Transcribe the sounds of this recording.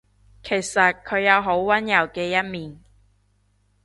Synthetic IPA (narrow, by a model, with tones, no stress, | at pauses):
kʰe˨˩jsɐ˨t̚kʰɵ˨˧ɥjɐ˨˧wɦo˨˥wwɐ˥njɐ˨˩wkɛː˧jɐ˥t̚miː˨n